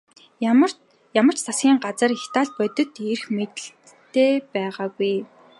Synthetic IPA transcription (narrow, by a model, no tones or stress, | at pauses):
r | jamə̆r̥t͡ɕsʰasɡʲiːŋɢat͡sə̆rixt̪aːɮpœt̪ɵ̆t̪erxmet̪ɘ̆ɬ | t̪ʰːeːpæːʁaːɡuj